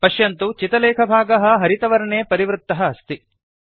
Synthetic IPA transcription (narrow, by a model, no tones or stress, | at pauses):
pɐʃjɐnt̪ut͡ʃit̪ɐlɛːkʰɐbʱaːɡɐɦɐ̆ɦɐɾit̪ɐʋɐɾɐɳeːpɐɾiʋɾut̪ːɐɦɐːst̪i